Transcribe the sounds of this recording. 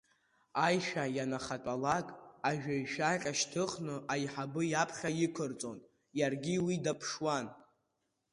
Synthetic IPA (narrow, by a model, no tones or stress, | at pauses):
ajʃᶣajanaχatʼalakʼaʒᶣajʃᶣaqʲʼaʃtʰɨχnɨʔajħabɨjapʰχʲajɪkʷʰɨrt͡sʼon | jarɡʲiwidapʰʂwan